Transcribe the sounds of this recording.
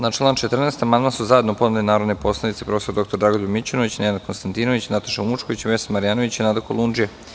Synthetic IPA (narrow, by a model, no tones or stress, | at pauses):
nat͡ʃlˠaːnt͡ʃet̪r̩neːst̪amand̪masuzae̞d̪nopo̞nulinaːɾod̪nepo̞sled̪it̪sepɾo̞fesoɾd̪o̞kt̪o̞ɾd̪ɾaɡod̪imit͡ɕonoʋit͡ɕinenad̪̚konst̪ant̪inoʋit͡ɕnat̪ḁʃaumut͡ʃkoʋit͡ɕiʋesamaɾijaːnoʋit͡ɕinad̪akolˠund͡ʒija